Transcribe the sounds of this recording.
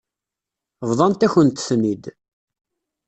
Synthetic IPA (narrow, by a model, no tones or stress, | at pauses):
vðˤɑnt̪æçənt̪smid̪